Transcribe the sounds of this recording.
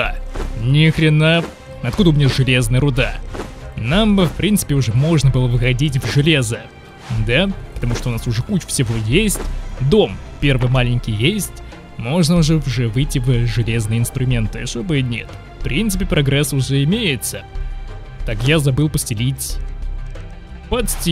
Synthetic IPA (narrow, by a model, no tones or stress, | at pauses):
anʲɪxɾʲɪna | ɐt̪̚kud̪əʊmʲɪnʲaʐɨlʲe̞znɨjəɾʊd̪a | namfpɾʲint̪sɨ̥pʲɪʊʐɛmo̞ʐnəbɨlˠəvɨxɐdʲit̬ʲvʐɨlʲe̞zə | d̪apət̪ɐmuʂt̪oʊnasʊʐɛkut͡ɕʊ̥fsʲɪvojesʲtʲd̪o̞mpʲe̞rvɨjmalʲɪnʲkʲijjesʲtʲ | mo̞ʐnəʊʐɛʊʐɛvɨjtʲːɪvʲʐɨlʲe̞znɨjəɪnst̪ɾʊmʲe̞nt̪ɨɐsobɨjənʲet̪ | fpɾʲint̪sɨpʲɪpɾʔɐɡɾɛsʊʐɛɪmʲejɪt̪sə | t̪akjazɐbɨlˠpəsʲtʲɪlʲitʲ | pɐt̪sʲtʲi